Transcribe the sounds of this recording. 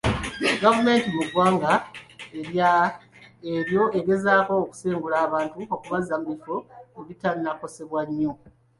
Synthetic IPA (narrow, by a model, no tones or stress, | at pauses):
ɡavume̞ːntimuɡwaːŋɡaeɾja | eɾjo̞ʔe̞ɡe̞zaːko̞ːku̥seːŋɡulaːβaːntuokuβazːamuifo̞ːβitannako̞se̞βwaɲːo̞